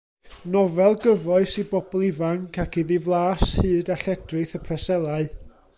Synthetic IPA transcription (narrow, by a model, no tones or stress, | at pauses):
nɔvɛlˠɡəvɔɨsibɔbɔlˠivaŋkʰakʰiðɪvlˠaːshɨːdaɬɛdrɨθəpʰrɛsɛlˠaɨ